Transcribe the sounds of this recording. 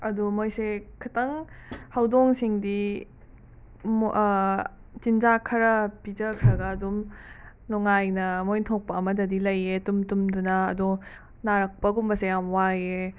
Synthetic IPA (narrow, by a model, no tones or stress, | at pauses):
ɐdumojsekʰɐtɐŋhɐwdoŋsiŋdi | t͡ʃinzakʰɐɾɐpid͡ʒɐkʰɾɐɡɐːdum | luŋajnɐmojntʰok̚pɐɐmɐdɐdilɐjːetumtumdunɐːdo | naɾɐk̚pɐɡumbɐsejamwaje